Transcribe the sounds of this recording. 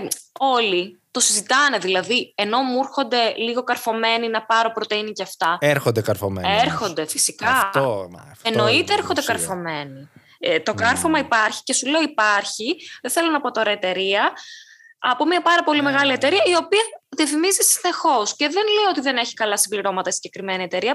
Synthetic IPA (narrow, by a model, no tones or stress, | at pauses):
o̞lit̪o̞sizit̪ɐne̞ðilɐðie̞no̞muɾxo̞nd̪e̞liɣo̞kɐɾfo̞me̞ninɐpɐɾo̞pɾot̪einiceɐft̪ɐeɾxond̪ekɐɾfom̰eɾxo̞nd̪e̞fisikɐ | eno̞it̪eeɾxond̪ekɐɾfo̞me̞ni | t̪o̞kɐɾfomɐipɐɾçi̥ce̞suleo̞ipɐɾçiðeθe̞lo̞nɐpo̞t̪o̞ɾɐet̪e̞ɾiɐ | ɐpo̞mɐpɐɾɐpo̞lime̞ɣɐlie̞t̪e̞ɾiɐio̞piɐðiɐfimizisine̞xo̞sce̞ðenleio̞t̪iðe̞ne̞çi̥kɐlɐsimbliɾo̞mɐt̪ɐisiɲɟe̞kɾime̞niet̪e̞ɾiɐ